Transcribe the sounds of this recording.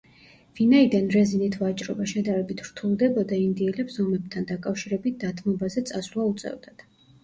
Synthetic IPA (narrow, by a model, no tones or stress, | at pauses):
vinaid̪anɾɛzinit̪ʰvat͡ʃʼɾɔ̰baʃɛd̪aɾɛbit̪ʰɾ̥t̪ʰulˠd̪ɛbɔd̪aind̪iɛlɛpsɔmɛb̚t̪ʰand̪akʼafʃiɾɛbit̪̚d̪̥at̪ʰmɔbazɛt̪sʼaslˠaut̪sʼɛ̰vd̪ad̪̥